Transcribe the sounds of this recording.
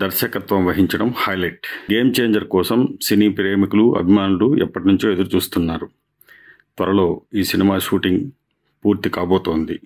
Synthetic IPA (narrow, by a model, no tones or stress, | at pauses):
d̪ɐɾʃɐkɐt̪ʋɐmʋɐɦiɲt͡ʃɐɽɐmhɐjlɐjʈɡe̞ːmt͡ʃe̞ːɲd͡ʒɐɾkɔːsɐmsiniːpiɾeːmikuluʔɐ̰bʱimaːnuluɛ̰pːɐʈinuɲt͡ʃoːed̪ɐɾut͡ʃuːst̪unːaːɾu | t̪ʋɐɾɐlo̞ːiːsinimaːʃuːʈiŋɡ | puːɾt̪ikaːboːt̪o̞ːnd̪i